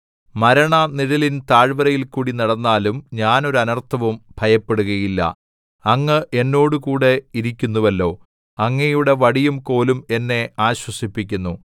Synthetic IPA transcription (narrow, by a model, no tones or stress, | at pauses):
mɐɾɐɳɐniɾɐlint̪aːɻʋɐɾɐjilkuːɽinɐɽɐnːaːlumɲaːno̞ɾuɐnɐrt̪ʰɐʋɐmbʱɐjɐpːe̞ɽuɣɐjilːɐ̰ | ɐŋːɐʔe̞nːo̞ːɽukuːɽe̞iɾikʲːunːuʋɐlːo̞ː | ɐŋːɐjuɽe̞ʋɐɽijumko̞ːlume̞nːe̞aːɕwɐsipːikʲːunːu